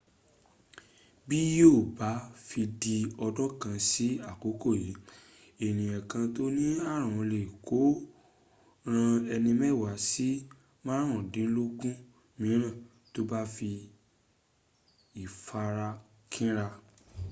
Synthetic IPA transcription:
bi˦jo˦˨ba˨˦fi˧di˧ɔ˧dɔ˦kã˧si˦a˦˨ko˨˦ko˦˨ji˨˦ | e˨ñĩ˨ã˨kã˧to˦nĩ˦a˦˨ɾ̃ã˨˧le˨ko˨˦ | ɾ̃ã˧ɛ˧nĩ˧mɛ˦˨wa˨˦si˦ | mã˦ɾ̃ɔ̃˨dĩ˨˦lo˦ɡũ˦ | mĩ˨˦ɾ̃ã˦˨ | to˦ba˦fi˧ | i˨fa˧ɾa˧ | kʰĩ˦ɾa˧

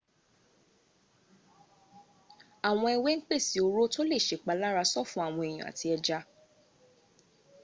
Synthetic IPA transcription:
a˨w̃ɔ̃˧ɛ˧we˦ŋ̩˦k͡pe˦˨si˨o˧ɾo˦to˦le˦˨ʃe˨˦˨k͡pa˨˧la˦ɾa˧sɔ˦˨fũ˦a˦˨w̃ɔ̃˧e˨j̃ɔ̰̃˨a̰˨ti˧ɛ˧d͡ʒa˧˦

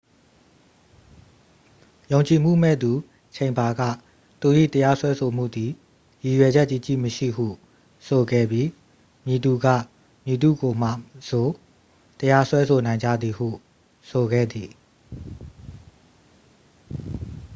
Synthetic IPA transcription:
jõ˨ʊ̃ɲt͡ɕi˨m̥ṵ˦˨mɛ̰˦˨d̪u˨ | t͡ɕʰẽ˨ɪ̃mba˨ɡä̰˦˨ | t̪u˨ʔḭ˦˨t̪əja˦swɛ˦sʰo˨m̥ṵ˦˨d̪i˨ | ji˨jwɛ˨d͡ʑɛ˦ʔt͡ɕi˦˨t͡ɕḭ˦˨məʃḭ˦˨ɦṵ˦˨ | sʰo˨ɡɛ̰˦˨bji˦ | mji˨d̪u˦˨ɡä̰˦˨ | mji˨d̪ṵ˦˨ɡo˨m̥a̰˦˨so˨ | t̪əja˦swɛ˦sʰo˨nã˨ɪ̃ɲd͡ʑä̰˦˨d̪ði˨ɦṵ˦˨ | so˨ɡɛ̰˦˨d̪i˨

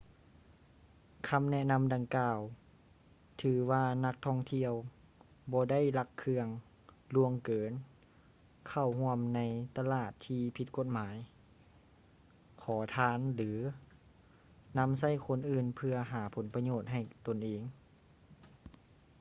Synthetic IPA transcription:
kʰa˧˨mnɛ˧˥na˧˥˨mda˧ŋkaː˧w | t̪ʰɯː˩˦waː˧na˧˥k̚t̪ʰɔ˧˩ŋt̪ʰi˧əw | bɔː˧da˥˩˨jla˧˥kʰːɯ˧əŋ | lu˧əŋkɤː˨˦n | kʰa˧˩whu˧əmna˧˥jt̪a˧laː˧˥˩t̪ʰːiː˧pʰi˧˦t̪̚ko˧˩t̪̚maː˩˦j | kʰɔː˩˦t̪ʰaː˧˥˨nlɯː˩˦ | na˧˥˨ms̬a˧˥˩jkʰo˧˨nʔɯː˧˩npʰɯ˧ɐɦaː˩˦pʰo˩˦npa˧ɲoː˧˩t̪̚ɦa˧˨˩jt̪o˧˨nʔeː˧˩ŋ

